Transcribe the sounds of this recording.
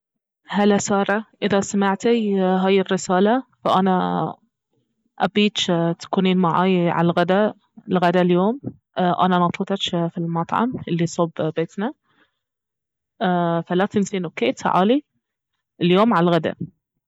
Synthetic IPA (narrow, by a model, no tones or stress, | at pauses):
halasɑːɾˤɑʔɪðasamɪʕt̪ajɦaːjɪrːɪsaːlafaʔana | ʔabiːt̪t̪ḁkuːniːnmaʕa̰ːjʕa̰lɣad̪a | lɣad̪aljoːm | ʔʔa̰nanɑt̪ˤɑt̪ˤɑʃfilmɑt̪ˤʕɑ̰mʔɪlːisˤobbeːt̪na | falat̪ɪnsiːnʊkeːt̪ʕa̰ːli | ljoːmʕalɣad̪a̰